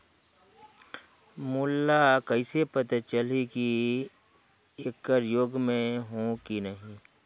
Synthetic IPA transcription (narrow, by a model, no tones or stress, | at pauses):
mʊlːakəɪsepət̪at͡ʃəliki | eːkːəɾjoːɡmẽɦõkinəɦĩ